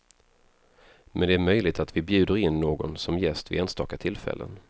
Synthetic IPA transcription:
mʔɛnd̪ɛæːɾmœjlɪɡ̚t̪at̪vɪbjʉ̟ːd̪əɾɪnːoːɡɔnsɔmjɛst̪vɪ̰eːnst̪ɑ̰ːkat̪ʰɪlfɛ̰lːə̰n

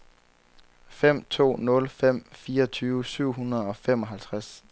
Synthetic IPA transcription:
fem̰t͡sʰo̝̰ːnɔ̽lfem̰fiːɐɒt͡sʰyːʋəsyʊ̰ɦunɐð̩ˠɒ̽fem̰ɒ̽ɦælt͡sʰʁas

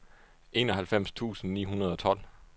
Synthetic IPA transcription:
ʔe̝̰ːnɒɦælfem̰st͡sʰṵːsn̩nḭːɦunɐð̞ˠɒ̽t͡sʰɒ̽l̰

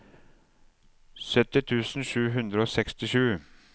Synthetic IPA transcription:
sœt̪ːɪt̪ʰʉːsn̩ʃʉːɦʉnd̪ɾəoːsɛkst̪ɪʃʉː

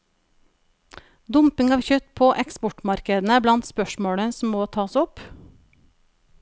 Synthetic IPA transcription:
d̪ʊmpɪŋɑːʋçœt̪pʰoːʔɛkspɔʈmɑɾkəd̪n̩əblɑnt̪spœʃmoːɽəsm̩ːoːt̪ʰɑːsʊp

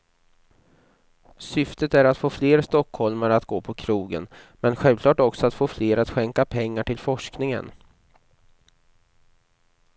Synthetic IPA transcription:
sʏft̪ət̪æɾat̪foːfleːɾst̪ɔkhɔlmaɾat̪ɡ̥oːpʰɔkʰɾuːɡə̰n | mɛnɧɛlvkʰlɑːʈɔksɔat̪foːfleːɾat̪ɧɛŋkapʰɛŋːaʈɪlfɔʂknɪŋə̰n

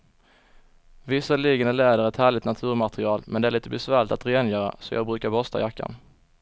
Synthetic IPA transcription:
vɪsːalɪːɡənælɛːd̪əɾɛt̪hæːɭɪt̪nat̪ʰʉ̟ːɾmat̪ɾɪɑːlmʔɛnd̪ɛæɭiːt̪əbɛsvæːɭɪt̪at̪ɾeːnjœːɾa̰sɔjɑ̰ːɡbɾʉ̟ːkaɾbɔst̪a̰jakːa̰n

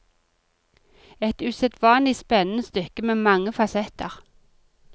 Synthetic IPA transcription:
ɛt̪ʉːsɛt̪ʋɑːnlɪspɛnənəst̪ʏkəmeːmɑŋəfɑsɛt̪əʁ

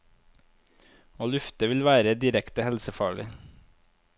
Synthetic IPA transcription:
oːlʉft̪əʋɪlʋæːɾəd̪ɪɾɛkt̪əhɛlsəfɑːɭɪ

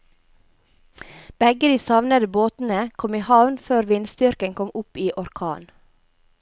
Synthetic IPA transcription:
b̥ɛɡəd̪iːsɑʋnəd̪əboːt̪n̩əkʰɔmiːhɑʋnføːɾʋɪnst̪ʏɾkəŋkʰɔmʊpiːʔɔɾkʰɑ̰ːn

